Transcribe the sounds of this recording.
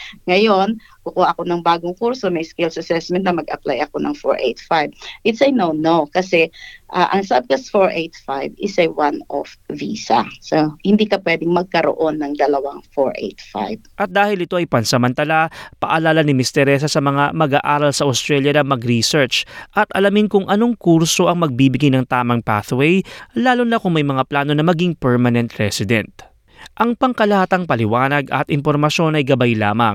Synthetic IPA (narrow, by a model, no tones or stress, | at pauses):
ŋɐjon | kʊkuhaʔɐko̞nɐŋbaːɡoŋkuɹso̞mɐjskɛlsɐsɛsmɛnt̪nɐmɐɡɐpla̰jʔɐkonɐ̰ŋfo̰ɹʔḛjt̪fajbʔɪt̪sɐjnownowkɐsɛʔaʔɐŋsab̪̚kɐsfoɹʔejt̪fajbɪsɐwano̰fviːsɐ̰sohɪnd̪iːkɐpwɛd̪ɪŋmɐɡ̚kɐɾo̰ʔonːɐŋd̪ɐlɐwaŋfoɹʔḛjt̪fa̰jb̚ʔɐt̪̚d̪aːhɪlɪt̪o̞ʔɐjpɐnsɐmɐnt̪ɐlapɐʔɐlaːlanɪmɪst̪ɛɾɛs̬ɐsɐmɐŋamɐɡa̰ːʔaːɾɐlsɐʔɐst̪ɾɛljɐnɐmɐɡɾisɛɹt͡ʃʔɐt̪ʔɐlɐmɪnkʊŋʔɐno̞ŋkuɾso̞ʔɐŋmɐɡ̚bibɪɡajnɐŋt̪aːmɐŋpa̰θwɛjlaːlonːɐkʊŋmɐjmɐŋaplaːno̞nɐmɐɡiŋpɛɹmɐnɛnt̪ɹɛsɪd̪ɛ̰nt̪̚ | ʔɐŋpɐŋkɐlɐhaːt̪ɐŋpɐlɪwaːnɐɡʔɐ̰t̪ʔɪmpo̞ɾmɐʃo̞nɐjɡɐbajla̰ːmɐ̰ŋ